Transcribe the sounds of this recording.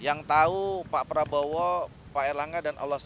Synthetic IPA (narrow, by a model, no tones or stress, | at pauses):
jaŋt̪aupaʔpɾabowɔ | paɛlaŋɡadanʔɔ̰lːɔs